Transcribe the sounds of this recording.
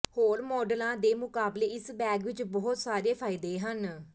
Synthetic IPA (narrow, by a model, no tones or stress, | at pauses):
hoːɾmɔːɖəlãːd̪eːmʊkaːbleːɪsbɛːɡʋɪt͡ʃbɔɦʊt̪saːɾeːpʰaːɪd̪eːɦən